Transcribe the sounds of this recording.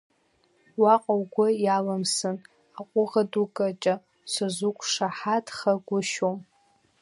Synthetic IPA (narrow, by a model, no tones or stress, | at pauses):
waqʼawɡʷʊjalamsɨn | aqʷʼʊʁadukʼat͡ʃʼa | sʷazʷʊkʷʰʼʂaħatʰχaɡʷʊʃom